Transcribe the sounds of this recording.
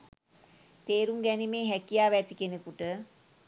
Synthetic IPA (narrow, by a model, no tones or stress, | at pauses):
t̪eːɾuŋɡɛnimeːɦækijaːʋæt̪ikenəkuʈə